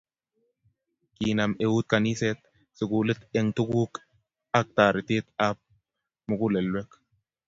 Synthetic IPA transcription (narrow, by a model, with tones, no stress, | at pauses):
ki˨na˨me˨wu˦t̪̚ka˨ni˦se˦t̪̚ | sɪ˨kulɪ˦t̪e˦ŋt̪u˦ku˦k | a˦k̚t̪a˨ɾi˨t̪i˦t̪a˦p̚ | mu˨ku˦le˨lwe˦k